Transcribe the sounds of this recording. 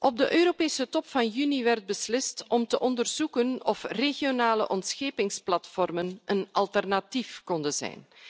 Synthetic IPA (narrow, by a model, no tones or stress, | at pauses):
ʔɔb̚dəʔøːɾoːpeːsətɔpfɑnjyniʋɛrd̚bəslɪstɔmtəʔɔndərz̥ukənɔfreɣijonaːlə̰ʔɔntsxeːpɪŋsplɑtfɔrmənʔənɑlˠtɛrnatifkɔndəz̥ɛ̰jn